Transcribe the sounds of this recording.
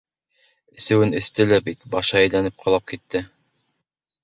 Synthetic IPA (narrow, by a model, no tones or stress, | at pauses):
ɘ̆sɘ̆wɘnɘ̆st̪ɘlæbit̪bɑʃɑæjlænɘp̚qʰɑlˠɑp̚kit̪ːɘ